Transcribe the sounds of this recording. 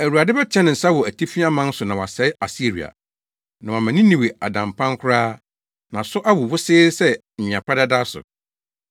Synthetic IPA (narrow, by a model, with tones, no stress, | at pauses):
æ˨wu˨a˨dɪ˦bɛ˦t͡ɕʰɛ̃˦nɪ̃˨n̩˨sa˦wɔ˨æ˨tʰi˦fi˦a˦mã˦n̩˦sʊ˨nã˨wɔ˨a˨sɛ˨˦a˨si˦ɾḭ˨a̰˨ | nã˨wa˨mã˨nɪ̃˦nĩ˨we˨a˨dã˨mpʰã˦ŋ˦kʷʰʊ˦ɾaː˦ | nã˨sʊ˦ʔa˦wʊ˨wʊ˦sɪ˦sɛ˦m̩˨mɪ̃˨a˨pʰa˦dɛ˦da˦sʊ̰˨